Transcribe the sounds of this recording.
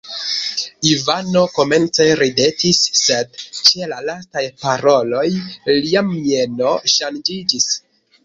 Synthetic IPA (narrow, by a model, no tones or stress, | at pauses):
ivano̞ko̞me̞nt͡seɾide̞tisːe̞dt͡ʃe̞lalastajpaɾo̞lo̞jliamie̞no̞ʃand͡ʒid͡ʒis